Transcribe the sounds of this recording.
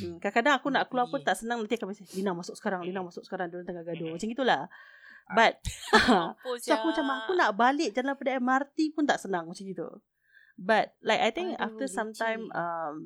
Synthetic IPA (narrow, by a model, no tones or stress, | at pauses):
kakadaŋakunaʔkluapʊnt̪aʔsənãŋlant̪iakamasalinaŋmasʊk̚sə̥kaɾaŋlinaŋmasʊk̚sə̥kaɾaŋdulant̪əŋaɡadumat͡ʃaŋɡit̪ulah | bat̪̚ | soakumat͡ʃamakunaʔbalɪk̚d͡ʒanlapədaɛmart̪ipʊnt̪aʔsənaŋmat͡ʃaŋɡit̪ṵ | bat̪̚lajkajt̪ɪ̃ŋka̰ft̪əsãmt̪ãjmam